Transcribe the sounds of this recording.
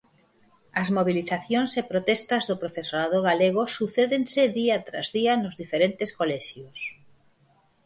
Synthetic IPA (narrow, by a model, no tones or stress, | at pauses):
ɐzmoβ̞iliθaθjoŋsepɾot̪ɛst̪ɐzðʊpɾofesoɾaðoɣaleɣ̞osuθeðensɪðiɐt̪ɾa̰zðiɐnʊzðifeɾent̪eskolɛʃjʊs